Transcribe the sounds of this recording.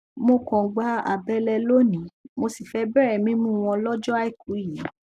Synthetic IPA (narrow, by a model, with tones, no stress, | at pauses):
mo˧kɔ̃˨ɡ͡ba˧˦a̰˨bɛ˧lɛ˧lo˦nĩ˨˦mo˧si˨fɛ˧bɛ˦˨ɾɛ˨mĩ˦mũ˦˧w̃ɔ̃˧lɔ˦d͡ʒɔ˦a˦i˦˨ku˨˦˨i˨˦